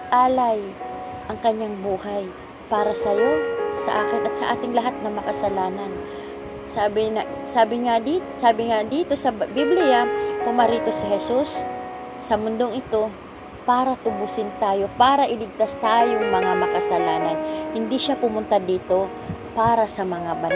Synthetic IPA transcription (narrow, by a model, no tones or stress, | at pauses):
ʔaːlajʔɐŋkɐɲaŋbuːhaj | paːɾɐsɐjo̞sɐ̰ʔaːkɪnʔɐt̪sɐʔaːt̪ɪŋlɐɦat̪̚nɐmɐkɐsɐlaːnan | saːbɪnɐsaːbɪŋad̪isaːbɪŋad̪iːt̪o̞sɐbiblɪjapʊmaɾiːt̪o̞sɪhɛsusː | ɐmʊnd̪o̞ŋɪt̪o̞ | paːɾɐt̪ʊbʊsɪnt̪aːjo̞paːɾɐʔɪlɪɡ̚t̪ast̪aːjoŋmɐŋamɐkɐsɐlaːnɐnhɪnd̪iʃapʊmʊnt̪ad̪iːt̪o̞ | paːɾɐsɐmɐŋabɐ